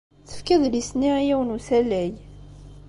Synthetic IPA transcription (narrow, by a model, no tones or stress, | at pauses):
θə̥fkæðlisniʕjæwnusælːæj